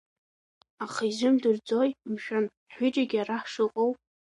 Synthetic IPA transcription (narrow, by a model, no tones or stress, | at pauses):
aχizʷɨmdɨrd͡zo̞jmʃᶣan | ħʷᶣʏʈ͡ʂʼaɡʲaɾaħʂɨqʼowpʼ